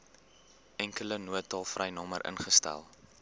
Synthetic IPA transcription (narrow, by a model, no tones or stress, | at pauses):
ɛŋkələnuətɑlˠfrʔɛjnɑməɾʔə̰nχəstæ̰lˠ